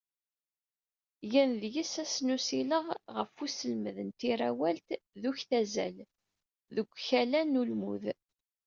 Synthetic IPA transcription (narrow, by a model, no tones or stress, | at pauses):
jænðjisæsnusiləʁʁəfusəlməðənt̪iɾæwælt̪ðuçθæzæ̰l | ðəɡʷːçælænulmṵð